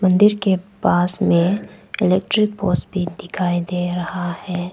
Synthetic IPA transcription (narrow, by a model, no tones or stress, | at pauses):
mɐ̃nd̪ɪɾkepaːsmẽɪleːk̚ʈɾɪk̚poːsʈbʱid̪ɪkʰaːid̪eːɾɐhahɛː